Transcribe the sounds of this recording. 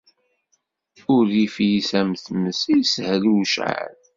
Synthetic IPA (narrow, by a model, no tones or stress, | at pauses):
ʊɾːifjisæmθməsijshəlwʃʕa̰l